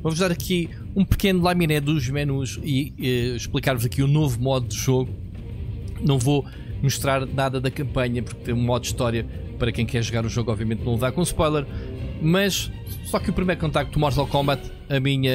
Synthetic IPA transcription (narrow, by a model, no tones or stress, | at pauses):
vovuʒðaɾɐkʰi | ũpɨ̥kenulˠaminɛðuʒmɛnuʒiɛʃplˠikaɾvuzɐkiunovumɔðud̪ɨʒoɣu | nɐ̃w̃vo | muʃt̪ɾaɾnaðɐðɐkɐ̃mpɐɲɐpuɾk̚t̪ɐ̃j̃ũmɔðud̪iʃt̪ɔɾjɐ | pɐɾɐkɐ̃j̃kɛɾʒuɣaɾũʒoɣɔbviɐmẽnt̪nɐ̃w̃lˠvðaɾkõuspɔjlˠɛɾ | mɐʃ | sɔkupɾimɐjɾkõnt̪ak̚t̪umɔɾzakɔ̃mbɐt̪ | ɐmiɲɐ